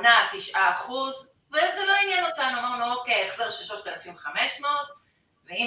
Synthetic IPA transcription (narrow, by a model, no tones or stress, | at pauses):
nat̪iʃʔaːχuz | vezelo̞injanotanuanmookeeχseʁʃaʃott̪alafimvχameʃmoot | vei